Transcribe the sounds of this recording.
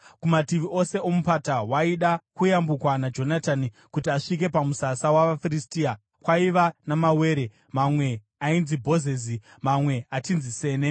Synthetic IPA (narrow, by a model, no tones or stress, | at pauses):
kumatiʋiʔo̞se̞ʔomupatawaiɗakujambukwanad͡ʒo̞natani | kutiaʂik̬e̞pamusasawaʋafiɾistia | kwaiʋanamawe̞ːɾe | mamwe̞ | ainzibʱo̞zezi | mamwe̞atinzise̞ːne̞